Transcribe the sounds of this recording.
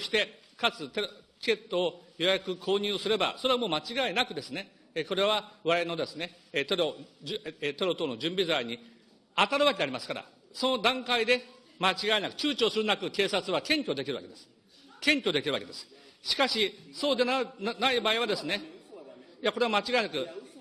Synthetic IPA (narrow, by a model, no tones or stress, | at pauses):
ɕi̥t̪e̞ | kat͡sɨt̪et͡ɕi̥kʲe̞t̪ːo̞ːjo̞jakɯ̟kʰo̞ːɲ̟ɨːsɨɾe̞ba̰so̞ɾe̞amo̞ːmat͡ɕiɡaenakɯ̟d̪e̞sɨne̞ | ko̞ɾe̞βaβaɾeno̞d̪e̞sɨne̞ | t̪e̞ɾo | t̪e̞ɾo̞t̪o̞ːnod͡ʑɨ̃mbʲizaiɲ̟i | at̪aɾɯβak̬ʲeaɾʲimasɨ̥kaɾa̰ | so̞no̞d̪ãŋkaid̪e̞ | mat͡ɕiɡaenakɯ̟̥t͡ɕɨːt͡ɕo̞ːsɨɾɯ̟nakɯ̟ke̞ːsat͡sɨβakẽ̞ŋkʲo̞d̪e̞kʲiɾɯ̟βaked̪e̞sɨ̥ | kẽ̞ŋkʲo̞d̪ekʲiɾɯ̟βa̰ked̪e̞sɨ̥ | ɕi̥kaɕiso̞ːd̪e̞nanaibaːiβ̞ad̪e̞sɨne̞ | jako̞ɾe̞βamat͡ɕiɡaenakɯ̟